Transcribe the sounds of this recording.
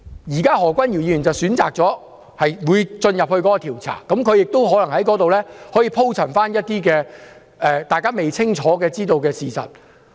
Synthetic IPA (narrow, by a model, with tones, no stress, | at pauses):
jiː˨˩kaː˥ɦɔː˨˩kʷɐ˥nji˨˩ji˧jy˨˩nt͡sɐ˨˩wsyː˨˥nt͡sa̰ː˨k̚t͡sɔː˨˥ | hɐ˨jwuː˨˧jt͡ʃɵ˧njɐ˨p̚hɵ˧ɥkɔː˨˥kɔ˧t̪ʰiː˨˩wt͡sʰa̰ː˨˩kɐ˨˥mkʰɵ˨˧ɥjɪ˨k̚t̪o˥wɦɔː˨˥lɐ˨˩ŋhɐ˨˥jkɔː˨˥t̪o˨wlɛː˥hɔː˨˥jiː˨˧pʰo˥wt͡sʰɐ˨˩nfaː˥njɐ˥t̚t̪iː˥kɛː˧ | ʔɛː˧t̪aː˨jkaː˥me˨jt͡sʰɪ˥ŋt͡ʃʰɔː˨˥kɛː˧t͡siː˥t̪o˧wkɛː˧siː˨sɐ̰˨t̚